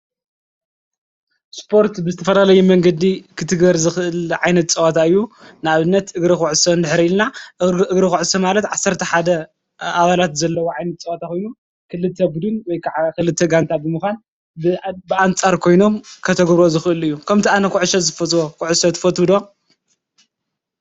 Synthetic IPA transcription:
spʰo̞ɾt̪bɨzɨt̪ʰɐfɐlalɐjumɐŋɡɐd̪ikʰɨt̪ʰɨɡbɐɾzɨxʔɨlʕajnɐt̪̚t͡sʼɐwat̪ʰaɨjːunɨaβɨnːɐt̪ɨɡɾixuʕɨsɐnd̪ɨħɾiilnaʔɨɡɾixuʕɨsɐmalɐt̪ʕasːɐɾt̪ʰɐħad̪ɐ | aβalat̪zɐlːɐwoʕajnɐt̪̚t͡sʼɐwat̪ʰakojnu | kʰɨlɨt̪ʰːɐbud̪ɨnwɔjkʰaʕkɨlɨt̪ʰːɐɡant̪ʰabɨmɨxʷan | bɨbɨʔant͡sʼaɾkʰo̞jno̞mkʰɐt̪ʰɐɡβɾozɨxʔɨlɨjːukʰɐmt̪ʰiʔanɐkʰuʕɨʃɐzɨfɐt̪ʼwokuʕɨsɐt̪ʰɨ̥fɐt̪ud̪o

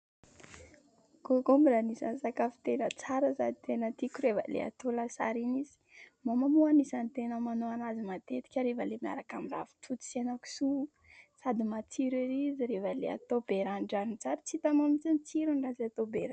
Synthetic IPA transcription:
ɡ̥oɡombiɾanisa̰nsakafi̥t̪elət͡saɾəsad̪it̪enət̪ikʲuɾevə̰lḛa̰t̪olasa̰ɾinizi̥mamamuanisanit̪enəmanoanazimat̪et̪i̥kʲaɾevəlemia̰ɾakamira̰vi̥t̪ʰut͡s̪i̥senaku̥su | sad̪imat͡siɾiɾiziɾevəlḛa̰t̪obeɾanɖ͡ʐaɾint͡saɾət͡sit̪amamit͡sinit͡siɾunirazat̪obeɾa

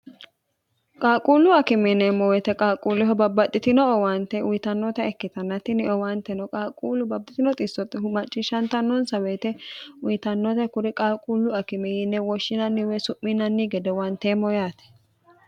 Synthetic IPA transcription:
kʼaːkʼuːlːʊɐkɪmɛnːɛmɔwɛt̪ɛkʼaːkʼulːɪɦɔbɐbːɐt̪ʼːɪt̪ɪnɔɔwɐnt̪ɛʊjɪt̪ɐnːɔt̪ɛɛkːɪt̪ɐnːɐt̪ɪnɪɔwɐnt̪ɛnɔkʼaːkʼuːlʊbɐbːɪt̪ɪnɔt̪ʼɪsːɔt̪ːɪhʊmɐt͡ʃʼːɪʃɐnt̪ɐnːɔnsɐweːt̪ɛʊjɪt̪ɐnːɔt̪ɛkʊɾɪkʼaːkʼuːlːʊɐkɪmɛjɪnːɛwɔʃːɪnɐnːɪwɛsʊʔːɪnɐnːɪɡɛd̪ɛwɐnt̪emɔjaːt̪ɛ̥

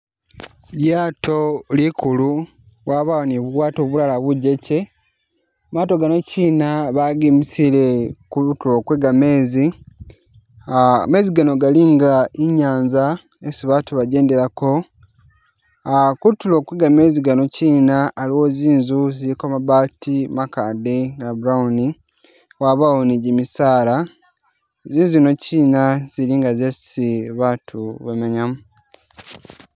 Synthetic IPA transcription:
ljaːtʰo̞likʰulu | βwaːβawoniβuwaːtoβulalaβuɟe̞ce̞ | maːto̞ɡano̞ciːnaβaɡimisilekutulo̞kweːɡame̞ːzi | me̞ːziɡano̞ɡaliŋɡaiɲaːnza | esiβatuβaɟe̞ːnde̞ɾako̞ | akutulo̞ːkuiɡameːziɡano̞ciːnaːliwo̞ziːnzuzilikomaβaːtimakaːdeŋɡabuɾauni | waβaoniɟimisaːla | ziːnzuino̞ciːnaz̥iliŋɡazesiβatʰuβemeɲamu

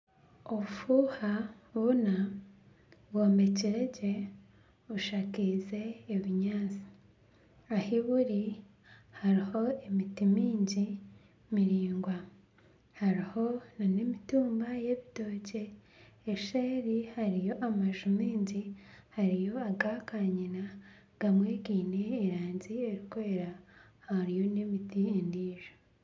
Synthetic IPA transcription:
oβufuha | βuna | βwoːmbe̞ciɾeɟe | uʃaːkize̞ːβiɲaːnzi̥ | ahiβuɾi | haɾiho̞emitimiːɲɟi | miɾiːŋɡwa | haɾiho̞nanemituːmbaje̞βito̞ːɟe̞ː | ʃeːɾihaɾijo̞ʔamaʒumiːɲɟihaɾijo̞aɡakaɲina | ɡ̥amwe̞ːɡiːneːɾaːɲzie̞ɾikoɾeɾa | haɾijo̞nemitiendiːʒ̥o̥

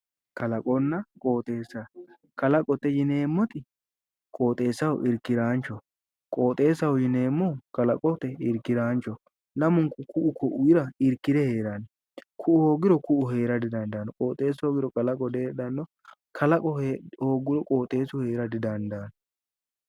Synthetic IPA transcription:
kɐlɐkʼɔnːɐkʼo̞ːt̪ʼe̞ːsɐ | kɐlɐkʼɔt̪ːɛjɪne̞ːmːɔt̪ɪ | kʼo̞ːt̪ʼe̞ːsːɐwʊʔɪɾkːɪɾaːnt͡ʃːɔ | kʼo̞ːt̪ʼe̞ːsɐwʊjɪne̞ːmːɔkɐlɐkʼɔt̪ːɛɪɾkːɪɾaːnt͡ʃːɔ | lɐmʊŋkʊkʊʔʊkʰɔʔʊjɪɾɐɪɾkːɪd̪ɛhe̞ːɾanɔ | kʰʊʔʊhoːɡɪɾɔkʊʔʊɦe̞ːɾɐd̪ɪd̪ɐnd̪ɐːnɔkʼoːt̪ʼe̞ːsoːɡɪɾɔkʼɐlɐkʼɔd̪eːd̪ɐnːɔ | kʰɐlɐkʼɔhehoːɡɪɾɔkʼo̞ːt̪ʼe̞ːsʊhe̞ːɾɐd̪ɪd̪ɐnd̪aːnɔ

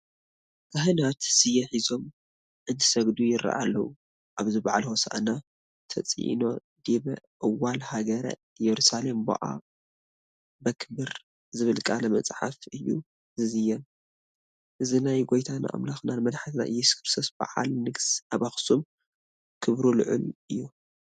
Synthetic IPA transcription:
kʰɐɦɨnat̪sɨjɐħizo̞m | ʔɨnt̪ʰɨsɐɡd̪ujɪra̰ʔalːɐ̰wu | ʔaβzɨbaʕalhosa̰ʔna | t̪ʰɐt͡sʼʔḭno̞ | d̪iβɐʔɨwalhaɡɐɾa̰ | jɛɾusale̞mbɐ̰ʔa̰ | bɐkʰɨbɨɾ | zɨβɨlkʼalɐmɐt͡sʼħa̰fɨjːṵ | zɨzɨjɛm | ʔɨzinajɡo̞jt̪ʰana̰ʔa̰mlaxnanmɐd̪ħat̪ʰna̰ʔɨ̰jːɛskʰɨɾsʰɐsb̥a̰ʕa̰lnɨɡsaβaxsum | kʰɨβɾulɨ̰ʕɨlʔɨjːu

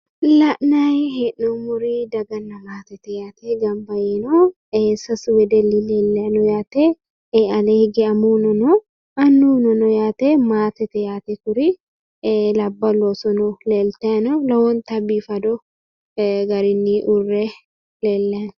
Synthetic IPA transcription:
lɐʔnajɦɛʔɔmʊɾid̪ɐɡɐnːɐmaːt̪ɛt̪ɛjaːt̪eɡɐmbɐjɪno | esɐswɛd̪ɛlːilelːenɔjaːt̪e | ɐlehɪɡɛɐmuːnɔnɔ | ɐnːuːnɔnɔjaːt̪emaːt̪ɛt̪ɛjaːt̪ɛt̪ʊɾi | lɐbːɐloːsɔnɔleːlt̪enɔlɐwɔnt̪ɐbifɐd̪ɔ | ɡɐɾɪnːiʔʊrːe | leːlːen

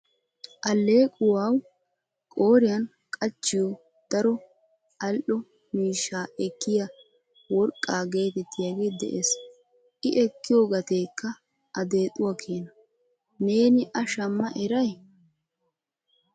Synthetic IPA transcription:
ʔɐlːeːkʼʊwaːw | kʼo̞ːɾɪjɐn | kʼɐt͡ʃːɪjɔ | d̪̥ɐɾɔ | ɐlʔɔ | miːʃːaːɛkːɪjɐ | wɔɾkʼːaːɡe̞ːt̪ɛt̪ːɪjaːɡeːd̪ɛ̰ʔes | ʔɪʔɛkːɪjoːɡɐt̪e̞ːkːɐ | ʔɐd̪e̞ːt̪ʼːʊwakʰeːnɐ | ne̞ːnɪʔɐʃɐmːɐʔɛɾɐj

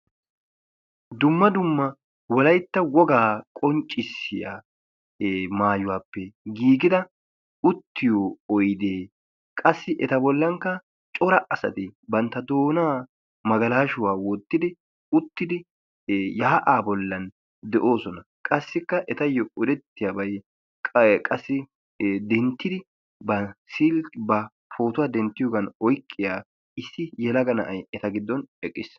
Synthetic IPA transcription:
d̪ʊmːɐd̪ʊmːɐ | wɔlɐjt̪ːɐwɔɡaːkʼɔnt͡ʃʼːɪsːɪja̰ː | maːjʊwaːpːɛɡiːɡɪd̪ɐ | ʊt̪ːɪjoːɔjd̪eː | kʼɐsːɪʔɛt̪ɐbɔlːɐŋkːɐ | t͡ʃʼɔɾɐʔɐsɐ̰t̪ɪbɐnt̪ːɐd̪o̞ːnaː | mɐɡɐlaːʃʊwaːwɔt̪ːɪd̪ɪ | ʊt̪ːɪd̪ɪ | jɐːʔaːbɔlːɐn | d̪ɛʔo̞ːsɔnɐ | kʼɐsːɪkːɐʔɛt̪ɐjːɔʊd̪ɛt̪ːɪjabɐj | kʼɐsːɪ | d̪ɛnt̪ːɪd̪ɪ | bɐsilbɐ | fo̞ːt̪ʊwaːd̪ɛnt̪ːɪjoːɡɐnɔjkʼːɪjaː | ɪsːɪjɛlɐɡɐnɐ̰ʔɐjɛt̪ɐɡɪd̪ːɔnɛkʼːɪs

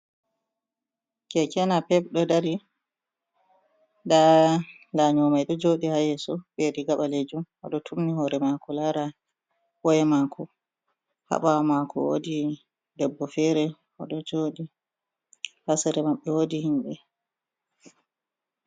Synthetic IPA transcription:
kɛkɛnapɛpɗɔdaɾi | da | laɲɔmajɗɔd͡ʒoːɗihajɛsɔbeɾiɡaɓaled͡ʒum | ɔ̰ɗɔtʰumnihɔɾɛmakɔlaɾa | wɔjɛmakʰɔ | ha̰ɓawamakɔ̰wo̰di | dɛbːɔfɛɾɛ | ɔɗɔd͡ʒoːɗi | hasɛɾɛmaɓːɛwodihimɓɛ

